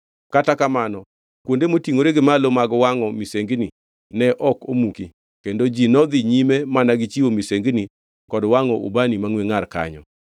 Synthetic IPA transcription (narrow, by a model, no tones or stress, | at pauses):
katakamanɔ | kwondemotiŋoɾeɡɪmalomaɡɔwaŋɔmiseŋɡni | nɛʔɔkomuki | kendod͡ʒinɔd̪iɲimemanaɡɪt͡ʃiwomiseŋɡni | kɔdwaŋɔṵbanimaŋweŋarka̰ɲɔ̰